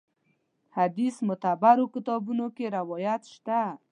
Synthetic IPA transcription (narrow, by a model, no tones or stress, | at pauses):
had̪ismʊt̪abaɾokɪt̪ɔbunokeɾawɔjat̪ʃt̪a